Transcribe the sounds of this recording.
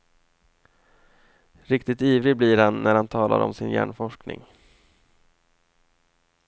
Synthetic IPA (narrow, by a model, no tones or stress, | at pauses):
ɾɪkt̪ɪt̪iːvɾɪblɪɾhanːæɾhant̪ʰɑːlʔa̰ɾɔ̰msɪnjæ̰ːɳfɔʂknɪ̰ŋ